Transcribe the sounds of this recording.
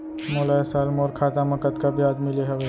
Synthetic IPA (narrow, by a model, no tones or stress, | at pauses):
moːlaːesaːlmoːɾkʰaːt̪amɐkət̪kabʱjaːd̪mileɦɛʋ